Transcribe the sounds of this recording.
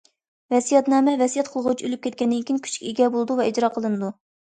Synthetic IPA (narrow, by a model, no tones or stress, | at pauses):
vɛsijɛt̪nɛːmɛvɛsijɛt̪̚qʰəlˠʁʊt͡ʃʰiølyp̚kʲɛt̪̚kʲɛnd̪ɪnkʲinkʲʰy̥t͡ʃʰkʲeɡʲɛbolˠɨd̪uvɛid͡ʒɾɑqʰəlˠɨnɨd̪u